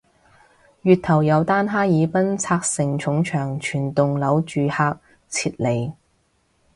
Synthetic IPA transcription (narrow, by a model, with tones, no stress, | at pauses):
jyː˨˧t̪̚ʰɐ˨˩wjɐ˨˧wt̪aː˥nɦaː˥jiː˨˧pɐ˥nt͡sʰaː˧k̚sɪ˨˩ŋt͡ʃʰʊ˨˥ŋt͡ʃʰœː˨˩ŋt͡ʃʰyː˨˩nt̪ʊ˨ŋlɐ˨˧˥wt͡ʃyː˨haː˧k̚ | t͡sʰiː˧t̚le˨˩j